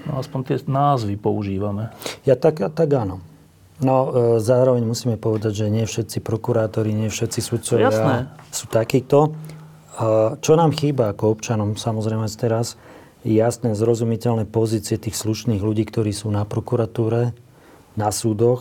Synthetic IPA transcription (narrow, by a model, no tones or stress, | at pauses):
nɔ̰aspɔɲt̪ɪɛnaːzʋipɔuʒiːʋamɛjat̪aɡat̪aɡanɔ | nɔzaːɾɔʋɛɲmusiːmɛpɔʋɛd̪aɟʒɛɲɪɛfʃɛt̪t͡sipɾɔkuɾaːt̪ɔɾiɲɪɛfʃɛt̪t͡sisut̪̚t͡sɔʋaɛsasuːt̪akiːt̪ɔ | t͡ʃɔnaːmxiːbaːkɔɔpt͡ʃanɔmsamɔzɾɛɪmɛast̪ɛɾas | jasnɛːzɾɔzumicɛlnɛpɔziːt͡siɪɛt̪iːxsluʃniːɣluɟiːkt̪ɔɾiːsuːnapɾɔkuɾat̪uːɾɛ | nasuːd̪ɔx